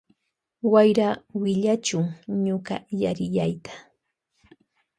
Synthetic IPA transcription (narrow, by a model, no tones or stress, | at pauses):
wajɾawɪʎat͡ʃʊŋɲoɢɑ̰jaɾɪʎajt̪ḁ